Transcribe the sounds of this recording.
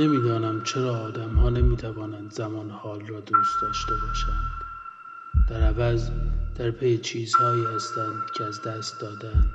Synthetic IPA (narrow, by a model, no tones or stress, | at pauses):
nemiːd̪ɒːnæmt͡ʃʰe̞ɾɒːd̪æmhɒːnemiːt̪ʰævɒːnænd̪zæmɒːnhɒːlrɒːd̪uːst̪̚d̪ɒːʃt̪e̞bɒːʃænd̪̥ | ɾæzd̪̥æɾpʰejet͡ʃʰiːzhɒːiːhæst̪ænd̪̥cʰeæzd̪æst̪̚d̪ɒːd̪ænd̪̥